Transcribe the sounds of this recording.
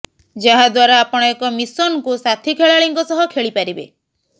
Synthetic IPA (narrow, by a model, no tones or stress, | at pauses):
d͡ʒaɦad̪waɾaːpɔɽ̃ɔekɔmisɔnkusat̪ʰikʰeɭaɭiŋkɔsɔɦɔkʰeɭipaɾibḛ